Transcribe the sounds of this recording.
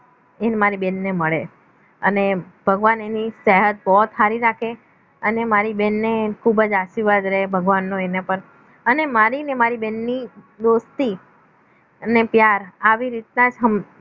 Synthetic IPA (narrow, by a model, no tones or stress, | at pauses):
enmaɾibɛnːeməɭe | ə̰nebʱəɡʋanenisɛɦət̪̚bɔɦt̪ɦaɾiɾakʰe | ənemaɾibɛnːekʰubəd͡ʒaʃiɾʋad̪ɾəɦebʱəɡʋanːoenapəɾ | ənemaɾinemaɾibɛnːi | d̪ost̪i | nepjaɾaʋiɾit̪nad͡ʒɦəm